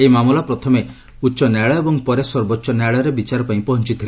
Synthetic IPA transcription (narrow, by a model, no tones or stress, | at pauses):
ejmamulapɾɔt̪ʰɔme | utːʃɔnaɭɔebɔŋpɔɾesɔɾbotːʃɔnɛɭɔɾebit͡ʃaɾɔpaĩpɔɦɔnt͡ʃit̪ʰile